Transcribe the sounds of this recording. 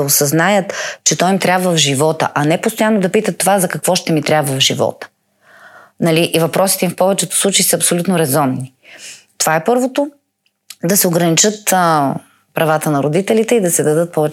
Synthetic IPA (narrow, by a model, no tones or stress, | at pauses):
osɐznajət̪t͡ʃɛt̪ɔjmt̪ɾʲabvəvʒivɔt̪ə̰ʔɐnɛpost̪ojanːod̪ɐpit̪ət̪ːovazɐkɐkvɔʃt̪ɛmit̪ɾʲjabvəvʒivɔ̰t̪ə̥ | nɐliʔivɐpɾɔsi̥t̪ɛimfpɔvɛt͡ʃɛt̪o̥slˠut͡ʃɐisɐːpsolʲut̪noɾɛzɔmni | t̪ovaɛpɤɾvot̪o | d̪ɐsɛoɡɾɐnit͡ʃɤt̪ | pɾɐvat̪ənɐɾod̪it̪ɛlit̪ɛid̪ɐsɛd̪ɐd̪ɤt̪̚pɔvɛ